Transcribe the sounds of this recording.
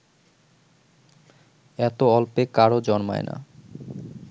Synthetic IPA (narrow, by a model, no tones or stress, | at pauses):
ɛt̪oɔlpekaɾod͡ʑɔnma̰ena̰